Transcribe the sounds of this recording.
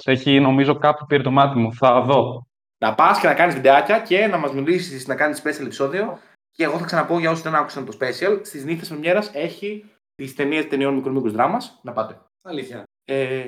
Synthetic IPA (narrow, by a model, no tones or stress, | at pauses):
seçino̞mizo̞kɐpçupiɾit̪o̞mɐt̪imuθɐðo̞ | nɐpɐsce̞nɐkɐnist̪id̪eɐcɐce̞nɐmɐzmilisisnɐkɐnisspe̞siɐlepi̥so̞ðio̞ | ce̞ːɣo̞θɐksɐnɐpo̞ʝɐo̞siðe̞nɐku̥sɐnt̪o̞spe̞siɐlst̪izniθesomɲeɾɐse̞çi | t̪ist̪e̞niest̪e̞nio̞nmikɾomikuzðɾɐmɐsnɐpɐt̪e̞ | ɐliɐ | e